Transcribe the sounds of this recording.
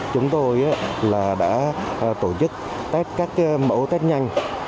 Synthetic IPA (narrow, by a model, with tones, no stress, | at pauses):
t͡ɕʊ˨˦ŋ͡mt̪o˧jʔaː˨˦laː˨˩ɗa̰ː˧˥˧t̪o˧˩t͡ɕɨ˦˥k̚ | t̪a˦˥t̚kaː˦˥k̚ːmə̰˧˥wt̪a˦˥t̚ɲa˧jŋ